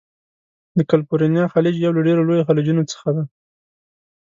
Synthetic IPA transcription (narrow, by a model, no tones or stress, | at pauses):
d̪əkalpoɾinjɑxalid͡ʒjawlaɖeɾolojoxalid͡ʒunot͡sə̥xad̪a